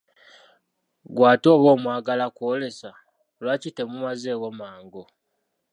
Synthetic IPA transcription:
ɡwaːto̞ːβo̞ːmwaːɡalakwoːle̞sa | lwacite̞mumaze̞ːwomaːŋɡo

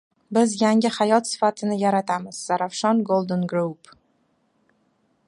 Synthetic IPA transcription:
bɪzjaŋɪhajɒt̪sɪ̥fat̪ʰɪnɪjaɾat̪ʰamɪz̥ːaɾafʃɒnɡolˠd̪ɪnɡɾup

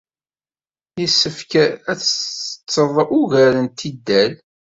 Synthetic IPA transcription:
jəsːəfkæt͡sːt͡sːəðˤʔʊʝæɾənt̪id̪ːæl

